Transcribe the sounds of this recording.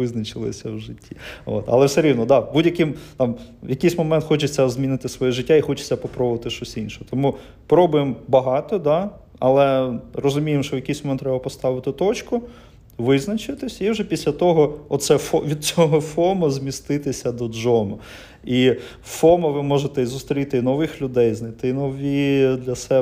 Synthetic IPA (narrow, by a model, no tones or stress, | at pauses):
ʋɪznɐt͡ʃɪlˠɪ̰sʲɐwʒɪtʲːio̰t̪ɐ̰lˠɛwsɛɾʲiwnɔd̪ɑbudʲjɐkɪmt̪ɑmjɐkɪjsʲmɔmɛnt̪xɔt͡ʃɪt͡sʲːɐzʲmʲinɪt̪ɪsʋɔjɛʒɪtʲːaixɔt͡ʃɪ̥t͡sʲːɐpɔpɾɔbʊʋɐt̪ɪʃt͡ʃɔsʲinʃɔɦɔt̪ɔmu | pɾɔbʊjembɐɦɑt̪ɔd̪ɑ | ɐ̰lˠɛrɔzʊmʲijemʃt͡ʃɔjɐkijsʲmɔmɛnt̪ːɾɛbɐpɔst̪ɑʋɪt̪ɪt̪ɔt͡ʃkʊ | ʋɪznɐt͡ʃɪt̪ɪsʲiwʒɛpʲisʲlʲɐt̪ɔɦɔɔt̪sɛfɔʋʲid̪̚t͡sʲɔɦɔfɔmɔzʲmʲist̪ɪt̪ɪsʲɐd̪ɔd͡ʒɔmɔ | i | fɔmɐʋɪmɔʒet̪ɛizʊst̪ɾʲit̪ɪinɔʋɪxlʲʊd̪ɛjznɪt̪ɪinɔʋʲid̪lʲɐsɛ